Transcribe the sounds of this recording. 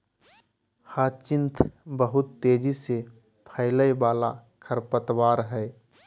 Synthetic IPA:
haːt͡ʃɪ̃nt̪ʰbəɦʊt̪ːeːd͡ʒise | pʰəɪləjbaːla̰kʰəɾpət̪waːɾɦɛː

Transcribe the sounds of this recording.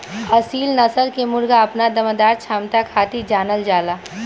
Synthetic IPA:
ɐsiːlnɐsəlkemʊɾɡaɐpnad̪ɐməd̪aːɾt͡ʃʰaːmt̪akʰaːt̪id͡ʒaːnəld͡ʒaːlaː

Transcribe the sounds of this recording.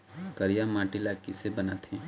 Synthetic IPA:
kɐɾijamãːʈɪlakisebɐnat̪ʰɛ̃

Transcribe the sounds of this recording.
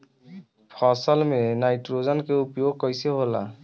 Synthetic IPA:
pʰɔsalmenajʈɾozankewupiokːɔjseɦola̰

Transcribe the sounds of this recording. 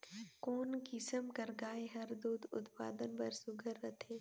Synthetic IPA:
koːnkɪsəmkəɾɡaːeɦɐɾd̪uːd̪ʊ̰t̪pa̰ːd̪ənbɐɾsʊɡʱəɾːɐt̪ʰeː

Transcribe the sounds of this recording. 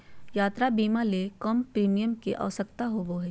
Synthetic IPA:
jaːt̪ɾabiːmalekəmpɾiːmijəmkeʔa̰ːʋsəkt̪aɦoboɦɛː

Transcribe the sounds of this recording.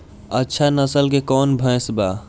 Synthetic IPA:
ətːʃʰanəsəlkekɔːnbʱə̃ːsbaː

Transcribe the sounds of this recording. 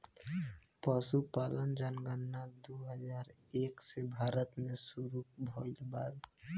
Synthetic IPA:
pəʃupaːlənd͡ʒanɡənːad̪uɦəd͡ʒaːɾeːksebʱaːɾət̪mẽsuɾubʱoːlbaːɾ

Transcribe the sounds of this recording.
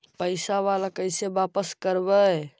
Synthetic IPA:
pəɪsaʋalakəɪsebapəskəɾbə

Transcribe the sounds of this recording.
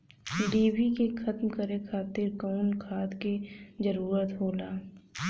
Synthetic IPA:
ɖiːbikexʰɐt̪mkəɾekʰaːt̪ɪɾkɔʊnkʰaːd̪kizəɾuːɾət̪ɦoːlaː

